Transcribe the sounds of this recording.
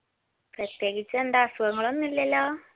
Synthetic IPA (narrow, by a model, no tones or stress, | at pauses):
prɐt̪jeːɣit͡ɕːɐend̪aːsuɣɐŋːɐɭo̞nːilːɐlːoː